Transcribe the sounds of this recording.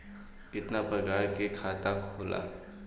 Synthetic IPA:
kɪt̪napɾəkaːɾkekʰat̪akʰola̰

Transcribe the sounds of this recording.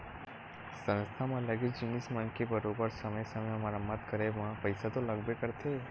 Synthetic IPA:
sə̃nst̪ʰamãləɡid͡ʒɪnːismãnkebəɾobəɾsəməjsəmeəmaɾamət̪kəɾemãpəjsat̪oləɡbekəɾt̪ʰe

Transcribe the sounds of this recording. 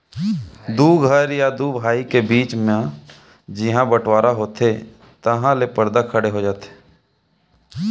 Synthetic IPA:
d̪uːɡʱəɾjad̪uːbʱaːikebiːt͡ʃmẽ | d͡ʒɪɦãbəʈwaːɾaɦoːt̪e | t̪əɦãlepəɾd̪akʰəɽeɦod͡ʒaːt̪e̥

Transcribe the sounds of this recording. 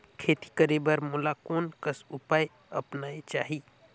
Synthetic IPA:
kʰet̪i̥kəɾebəɾmulakonkəsupaj | ə̰pnait͡ʃa̰ɦi

